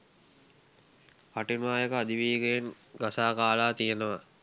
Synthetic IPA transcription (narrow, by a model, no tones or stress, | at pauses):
paʈinʋaːjəkəad̪iʋiːɡejen | ɡasaːkaːlaːt̪ijənəʋa